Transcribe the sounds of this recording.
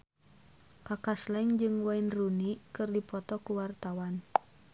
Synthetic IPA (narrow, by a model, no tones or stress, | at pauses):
kakaslaiŋd͡ʒɨŋwainrunikɨrdipɔt̪ɔkuwart̪awan